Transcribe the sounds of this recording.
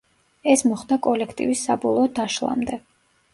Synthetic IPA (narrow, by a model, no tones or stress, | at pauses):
ɛsmɔχd̪akʼɔlɛkʰt̪ʼḭvisːa̰bɔlˠɔːd̪aʃlˠa̰md̪ɛ